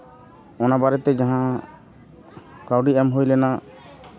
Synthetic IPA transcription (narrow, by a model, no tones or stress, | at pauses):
ɔnabaɾɛt̪ɛd͡ʒãɦã | kawɖiɛmɦujlɛna